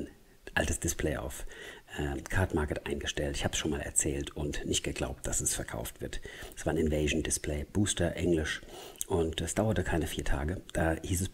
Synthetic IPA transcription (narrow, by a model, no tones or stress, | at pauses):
n | ʔa̰ltəsd̥ɪspʰleɪʔa̰ʊfʔəːkʰaɐtmaɐkətʔa̰ɪnɡəʃtɛltɪçhaːbsʃoːnmaːlɛ̰ɐt͡sɛːltʊntnɪçt̚ɡ̥əɡla̰ʊp̚t̚d̥asɛsfɛɐkʰa̰ʊftv̥ɪɐtɛsv̥aːɐɪnɪnveɪʒn̩dɪspleɪb̥uːstɐʔɛŋlɪʃʔʊntɛsd̥aʊɐtəkʰaɪnəfiːɐtʰa̰ːɡəd̥aːhiːsɛs